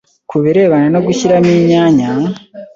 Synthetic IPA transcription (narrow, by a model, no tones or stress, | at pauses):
kuβiɾe̞ːβananoɡuçiɾamiːɲaːɲa